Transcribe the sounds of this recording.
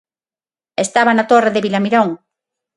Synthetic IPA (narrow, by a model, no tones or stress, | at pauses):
est̪aβanat̪oreðeβilamiɾoŋ